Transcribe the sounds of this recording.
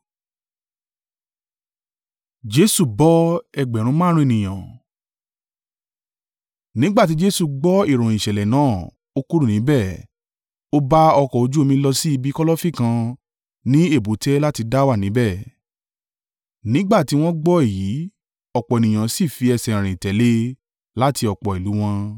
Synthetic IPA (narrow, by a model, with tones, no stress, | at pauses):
d͡ʒe˦su˦˨bɔ˨˦ɛ˧ɡ͡bɛ˨ɾ̃ũ˧˦mãː˦ɾ̃ũ˦e˦˨nĩ˨j̃ã˨ | nĩ˦ɡ͡ba˦˨t̬i˨˦d͡ʒe˦su˧˨ɡ͡bɔ˦i˦˨ɾ̃õ˨i˨ʃɛ˨lɛ˨nãː˨˦˨ | o˦ku˦ɾu˦˨nĩ˨˦bɛ˦˨ | o˧ba˦ɔ˧kɔ˨o˨˧d͡ʒu˦o˧mĩ˧lɔ˧si˦i˧bi˦kɔ˦lɔ˦fi˦˨kã˧ | nĩ˦e˦˨bu˨˦tɛ˦la˦ti˧da˦wa˦˨nĩ˨˦bɛ˦˨ | nĩ˦ɡ͡ba˦˨ti˨˦w̃ɔ̃˦ɡ͡bɔ˦e˦˨ji˨˦ | ɔ˦˨k͡pɔ˨e˨nĩ˨j̃ã˨si˦˨fi˧ɛ˧sɛ̃˨ɾ̃ĩ˨tɛ˨˦le˦ | la˦ti˧ɔ˨k͡pɔ˨i˨lu˨˦w̃ɔ̃˧